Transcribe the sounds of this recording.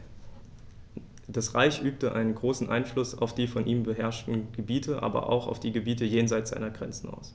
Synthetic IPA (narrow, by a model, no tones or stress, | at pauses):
d̥asʁaɪçʔyːp̚təʔa̰ɪnənɡʁoːsn̩ʔa̰ɪnflʊsa̰ʊfd̥iːfɔnʔiːmbəɦɛɐʃtn̩ɡ̥əbiːtʰəʔa̰ːbɐ̰ʔa̰ʊxa̰ʊfd̥iːɡəbiːtəjeːnzaɪt͡sz̥a̰ɪnɐɡʁɛ̰nt͡sn̩a̰ʊs